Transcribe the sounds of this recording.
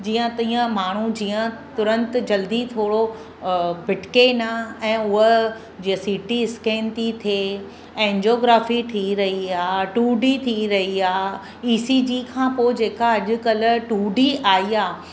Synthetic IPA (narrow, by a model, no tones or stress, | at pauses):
d͡ʑiːə̃t̪ĩːə̃maːɳ̤ud͡ʑiːə̃t̪ʊɾə̃nt̪d͡ʑɐld̪it̪ʰoːɽo | bɪʈkenaɛ̃ːʊɦə | d͡ʑiːəsiːʈiɪskẽːnt̪it̪ʰe | ɛ̃ːɲd͡ʑoːɡɾaːfiʈ̪ʰiɾɐɦiaːʈuːɖit̪ʰiɾɐɦiaː | iːsid͡ʑikʰãːpoːd͡ʑeːkaɐʄʊ̆kɐlʈuːɖiʔaːɦiaː